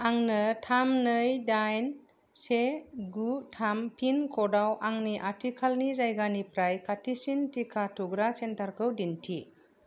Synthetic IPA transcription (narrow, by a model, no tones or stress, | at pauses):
aŋnɯtʰamnɯjdajn | seɡutʰampʰinkʰɔdawʔaŋniʔatʰikʰalnizajɡanipɾajkʰatʰisintikʰatʰuɡɾasentaɾkʰɯwdintʰi